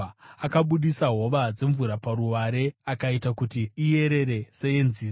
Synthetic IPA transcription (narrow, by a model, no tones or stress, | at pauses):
akaɓuɗisaɦo̞ʋad͡ze̞ɱvuɾapaɾuwaɾe̞akaitakutiːje̞ɾe̞ɾe̞se̞jenziː